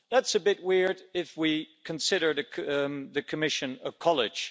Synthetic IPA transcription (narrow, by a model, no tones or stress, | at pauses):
ðætsɨbɪt̚wɪɹɾɪfwikʰɨ̃nsɪɾə˞ðɨðɨkʰɨmɪʃɨ̃nə̥kʰɑlˠɪd̥ʒ̥